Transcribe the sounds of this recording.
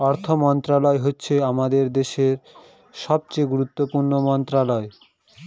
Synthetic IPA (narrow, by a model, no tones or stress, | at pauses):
ɔɾt̪ʰomɔnt̪ɾalɔeɦotːɕʰeamad̪eɾd̪eʃeɾ | ʃɔb̚t͡ɕeɡuɾut̪ːopuɾnomɔnt̪ɾalɔe